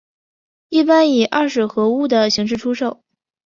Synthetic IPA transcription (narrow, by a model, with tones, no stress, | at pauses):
i˥˩pa˥ni˨˩ʔa˥˩ʂɻ̩˥˩xɤ˧˥u˥˩d̪ə˩ɕi˧˥ŋʂ̬ɻ̩˥˩ʈ͡ʂʰu˥ʂo˥˩ʊ